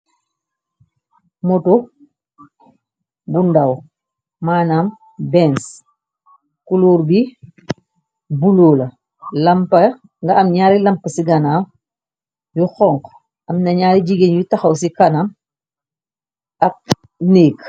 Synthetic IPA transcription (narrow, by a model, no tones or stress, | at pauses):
mɔtu | bundɐw | maːnaːm | bɛns | kuluːɾbi | buloːlɐ | lɐmpɐ | ŋɡɐɐmɲaːɾilɐmpəsiɡɐnaːm | juxɔŋk | ɐmnɐɲaːɾid͡ʒiɡenjutɐxɐws̬ikɐnam | ɐk̚ | neːk